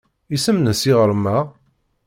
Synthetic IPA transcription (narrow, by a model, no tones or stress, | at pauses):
isəmnəsiʁəɾˤmæ